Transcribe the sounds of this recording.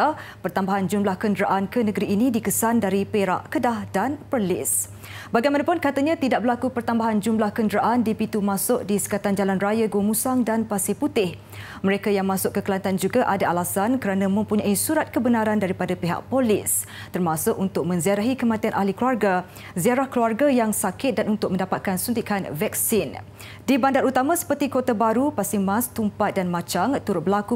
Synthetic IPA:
pərt̪ambaɦand͡ʒumlahkəndəɾaʔankənəɡəɾiːnĩdikəsandaɾipeɾa̰ʔkədahdanpərlɪ̰s | baɡajmãnapʊnkat̪aɲãt̪idaʔ̚bərlakupərt̪ambaɦand͡ʒumlahkəndəɾaʔandipit̪umãsʊk̚disə̥kat̪and͡ʒalanrajaɡomũsaŋdanpasɪput̪ɪh | məɾekajaŋmãsʊʔkːəkəlant̪and͡ʒuɡaʔadaʔalasankəɾanãmə̃mpuɲãisuɾat̪̚kəbənaɾandaɾipadapiɦa̰ʔ̚polɪs | t̪ərmãsʊʔunt̪ʊk̚mə̃nziaɾaɦikəmãt̪ianʔahlikluarɡa | ziaɾahkluarɡajaŋsakɪt̪̚danunt̪ʊk̚mə̃ndapat̪̚kansunt̪ikʰanvɛk̚sɪn | dibandaɾut̪amãsə̥pərt̪ikot̪abaɾupasɪŋmãst̪umpat̪̚danmat͡ʃaŋt̪uɾʊt̪̚bəlaku

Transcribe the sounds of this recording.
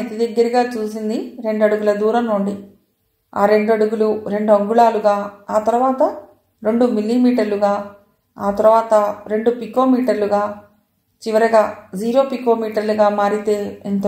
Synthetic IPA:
ɐt̪id̪ɐɡːɐɾɐɡaːt͡ʃuːsind̪iɾe̞ɳɖɐɽuɡulɐd̪uːɾɐmnuɳɖi | a̰ːɾe̞ɳɖɐɽuɡuluɾe̞ɳɖuɐŋɡuɭaːluɡaːaːt̪ɐɾuʋaːt̪ɐ | ɾe̞ɳɖumilːimiːʈɐɾluɡaː | aːt̪ɐɾuʋaːt̪ɐɾe̞ɳɖupiko̞ːmiːʈɐɾluɡaː | t͡ʃiʋɐɾɐɡaːd͡ʒiːɾo̞ːpiko̞ːmiːʈɐɾluɡaːmaːɾit̪e̞ːent̪

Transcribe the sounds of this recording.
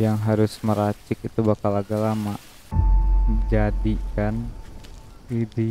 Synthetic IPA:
jaŋɦaɾʊsməɾat͡ʃɪkit̪ubakalaɡalamaʔ | məd͡ʒadikan | idi

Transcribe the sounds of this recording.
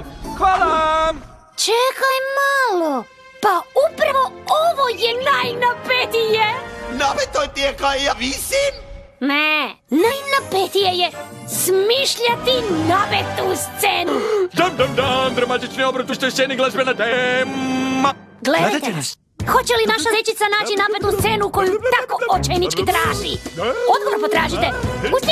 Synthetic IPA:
xvalˠa | t͡ʃekajmalo | paupɾaʋooʋojenajnapet̪ijenapet̪ojt̪iekaejavisim | ne | najnapet̪ijeje | smiʃʎat̪inapet̪ːust̪seːnud̪and̪and̪and̪ɾamat̪it͡ʃniobɾat̪uʃt̪ojst̪eniɡlˠazbenat̪e | a | ɡledd̪aj̪at̪e | xo̞t͡ɕelinaʃazet͡ɕit̪sanaːt͡ʃinatpet̪ust̪senuko̞jut̪akoot͡ʃejnit͡ʃkit̪ɾaːʒiod̪ɡoʋoɾpot̪ɾaːʒit̪eust̪i

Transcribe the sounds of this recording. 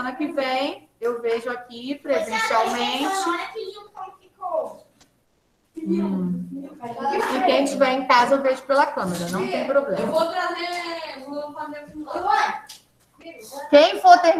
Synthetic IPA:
ɐ̃nɐkɪvẽj̃ewveʒʊakipɾezẽsiawmẽt͡ʃɪ̃kakiko | ikẽj̃ʒẽt͡ʃɪvɛ̃j̃ẽkazɐewveʒʊpelɐkɐ̃meɾɐnɐ̃w̃t̪ẽj̃pɾoblẽmvot̪ɾazeevot̪ɾɐzekũ | kẽj̃foɾt̪ẽj̃

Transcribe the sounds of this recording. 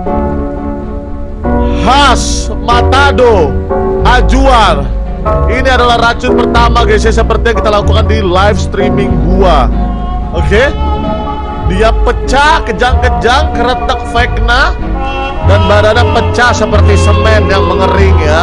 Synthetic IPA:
has | mat̪ado | ad͡ʒuar | iniadalahrat͡ʃʊt̪̚pərt̪amaɡis̬ias̬əpərt̪ijaŋkit̪alakukandilajfst̪ɾimɪŋɡua | oke | diapət͡ʃakəd͡ʒaŋkəd͡ʒaŋkəɾət̪ək̚fekna | danbadadapət͡ʃasəpərt̪isəmɛmjaŋməŋəɾɪŋja

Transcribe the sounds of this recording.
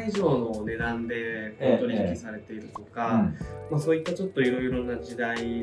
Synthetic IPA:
iʑo̞ːno̞ne̞d̪ãnd̪e̞pot̪o̞ɾʲikʲisaɾe̞t̪e̞iɾɯ̟t̪o̞kamaso̞ːit̪ːat͡ɕo̞t̪ːo̞iɾo̞iɾo̞nad͡ʑid̪ai

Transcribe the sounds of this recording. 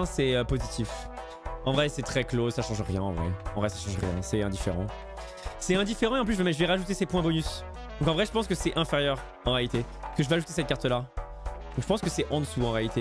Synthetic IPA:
sɛøpozit̪ʰif | ɑ̃vʁɛsɛt̪χɛklosaʃɑ̃ʒʁjɛ̃ɑ̰̃vʁɛ̰ɑ̃vʁɛsaʃɑ̃ʒʁjɛ̃sɛɛ̃d̪ifeʁɑ̰̃ | sɛɛ̃d̪ifeʁɑ̃eɑ̃plysʒmɛʒəvɛʁaʒut̪̬esepwɛ̃bɔnys | d̪ɔ̃kɑ̃vʁɛʒəpɑ̃skəsɛʔɛ̃feʁjœʁ | ɑ̃ʁealit̪e | kəʒəveaʒut̪esɛt̪̚kaʁt̪əla | d̪ɔ̃kʒəpɑ̃skəsɛʔɑ̃d̪əsuɑ̃ʁealit̪e

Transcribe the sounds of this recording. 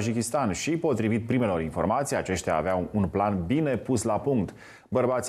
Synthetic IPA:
d͡ʒikʲist̪anʃipo̞t̪ɾivit̪̚pɾime̞lo̞ɾinfo̞̰rmat̪sijat͡ʃe̞ʃt̪ea̰ːveaunplanbine̞puslapuŋkt̪ | bərbat̪s

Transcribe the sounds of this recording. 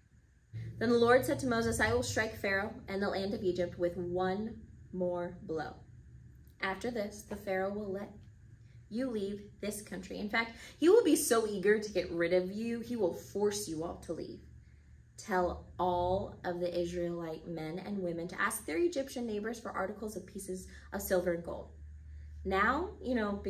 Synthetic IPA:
ðɨ̃nðəlɔɹd̥sɛd̚tʰəmoʊzɨsaɪwəlˠstɹ̥aɪkfɛɹoʊʔɨ̃nðəlʔæ̃ndʌvid͡ʒɨp̚t̚wɨðwʌ̃nmɔɹblo̰ʊ | ʔæftə˞ðɪsðɨfɛɹoʊwɪlˠɛ | jɨlivðɪskʰʌ̃nt͡ʃɹ̥ḭɨ̃nfæk̚t̚hiwəlˠbisoʊiɡə˞ɾɨɡɛʔ̚ɹɪɾʌvjʉiwɪlˠfɔɹsjɨɔ̰lˠtʰəlḭv̥ | tʰɛlˠɔlˠʔʌvðiʔɪzɹilˠaɪt̚mɛ̃nɨ̰̃nwɪ̃mɨ̃ntʰɨ̰ʔæsk̚ðə˞ɨd͡ʒɪpʃɨ̃nːeɪbə˞z̥fə˞ʔɑ̰ɹɾɨkl̩ˠzʌv̥pʰisɨz | ʔʌv̥sɪlˠvə˞ɨ̃nɡo̰ʊlˠd̥̚ | naʊjɨñoʊb

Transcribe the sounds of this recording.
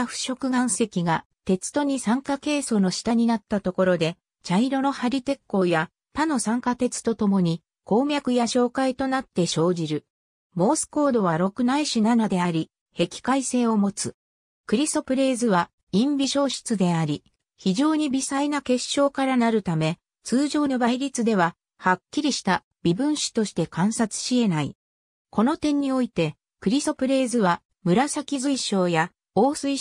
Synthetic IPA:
aɸɯ̟̥ɕo̞kɯ̟ɡãɰ̃se̞kʲiɡa | t̪e̞t͡sɨ̥t̪o̞ɲ̟isãŋkake̞ːso̞no̞ɕi̥t̪aɲ̟inat̪ːat̪o̞ko̞ɾo̞d̪e̞ | t͡ɕaiɾo̞no̞haɾʲit̪e̞kːo̞ːja | t̪ano̞sãŋkat̪e̞t͡sɨ̥t̪o̞t̪o̞mo̞ɲ̟i | ko̞ːmʲjakɯ̟jaɕo̞ːkait̪o̞nat̪ːe̞ɕo̞ːʑiɾɯ̟ | mo̞ːsɨ̥ko̞ːd̪o̞β̞aɾo̞kɯ̟naiɕɨnanod̪e̞aɾʲi | he̞kʲi̥kaise̞ːo̞mo̞t͡sɨ | kɯ̟ɾʲist̪o̞pɯ̟ɾe̞ːzɨa | ĩmbʲiɕo̞ːɕi̥t͡sɨd̪e̞aɾʲi | çiʑo̞ːɲ̟ibʲisainake̞ɕːo̞ːkaɾanaɾɯ̟t̪ame̞ | t͡sɨːʑo̞ːnobaiɾʲit͡sɨd̪e̞β̞a | hakʲːiɾʲiɕi̥t̪a | b̥ʲibɯ̟̃ɰ̃ɕi̥t̪o̞ɕi̥t̪e̞kãɰ̃sat͡sɨ̥ɕie̞nai | ko̞no̞t̪ẽ̞ɲ̟ːio̞it̪e̞ | kɯ̟ɾʲiso̞pɯ̟ɾe̞ːzɨβa | mɯ̟ɾasakʲizɨiɕo̞ːja | oːsɨi

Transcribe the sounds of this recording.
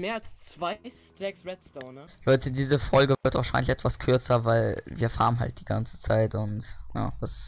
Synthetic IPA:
meːɐalst͡sv̥aɪstɛksʁɛtstɔnɐlɔʏtʰədiːzəfɔlɡəɪɐtvaːɐʃaɪnlɪçʔɛtv̥askʰʏɐt͡sɐvaɪlviːɐfa̰ːʁənɦa̰lt̚d̥iːɡant͡sə̥t͡saɪtʊntja̰ːvas

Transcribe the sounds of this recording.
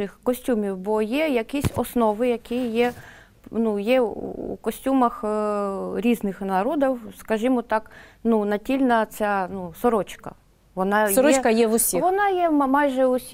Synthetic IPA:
ɪxkɔsʲtʲumʲiwbɔjɛjɐkisʲɔsnɔʋɪjɐkɪjjɛ | nujɛṵkɔsʲtʲumɐx | ɾʲiznɪxnɐɾɔd̪ɐwskɐʒimɔt̪ɑknunɐtʲilʲnɐt͡sʲanusɔɾɔt͡ʃkɐ̰ | ʋɔnɑɾɔɛt͡ʃkɐjɛʋʊsʲiʋɔnɑjɛmɑjʒɛʊsʲ

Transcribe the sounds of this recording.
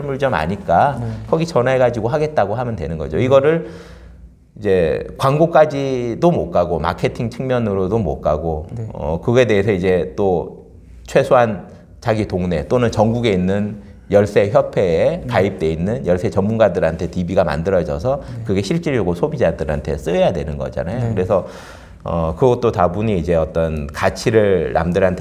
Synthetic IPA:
ɭmuɭd͡ʑʌma̰ɲik͈akʰʌɡit͡ɕʌnaeɡad͡ʑiɡoɦaɡe̞t̚t͈aɡoɦamjʌntwe̞nɯnɡʌd͡ʑo̰iɡʌɾɯɭ | id͡ʑe̞kwaŋɡok͈ad͡ʑidomok͈aɡoma̰kʰe̞tʰiŋt͡ɕʰɯŋmjʌnɯɾodomo̰k͈aɡoʌ̰kɯɡʌe̞de̞ɦːsʰʌid͡ʑe̞t͈o | t͡ɕʰwe̞sʰoɦan | t͡ɕaɡitoŋne̞t͈onɯnt͡ɕʌŋɡuɡe̞inːɯn | jʌɭs͈e̞çjʌpʰe̞ːkaip̚t͈we̞inːɯnjʌɭs͈e̞t͡ɕʌmmunɡadɯɾɦantʰe̞tibiɡama̰ndɯɾʌd͡ʑʌ̰sʰʌkɯɡe̞ɕʰiɭt͡ɕ͈iɾjoɡosʰobid͡ʑadɯɾhantʰe̞̰s͈ɯejadwe̞nɯnɡʌ̰d͡ʑa̰najokkɯɾe̞sʰʌ | ʌkɯɡʌt̚t͈otabuɲiid͡ʑe̞ʌt͈ʌnkat͡ɕʰiɾɯɭːa̰mdɯɾɦantʰ

